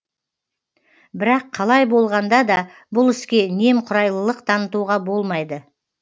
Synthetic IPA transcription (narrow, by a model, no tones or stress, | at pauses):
bɪɾɑqʰːɑlˠɑjbo̞lˠʁɑnd̪ɑd̪ɑ | bʊlˠɪskʲe̞ne̞mqʰʊɾɑjlˠəlˠəqt̪ʰɑnət̪uʁɑbo̞lˠmɑjd̪ə